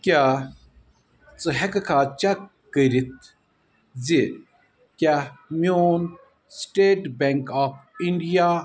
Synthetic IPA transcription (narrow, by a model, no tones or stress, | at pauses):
kʲja | t͡sɨɦekɐkʰaːt͡ʃakːəɾit̪̚ | zi | kʲjamjoːn | sʈeːʈbeŋkaːfʰiɳɖijaː